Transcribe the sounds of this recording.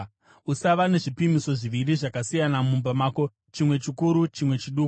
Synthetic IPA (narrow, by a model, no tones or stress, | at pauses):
usaʋane̞ʐipimiso̞ʐiʋiriʐakasijanamumbamaːko̞ | t͡ʃimwe̞t͡ʃikuɾut͡ʃimwe̞t͡ʃiɗuːku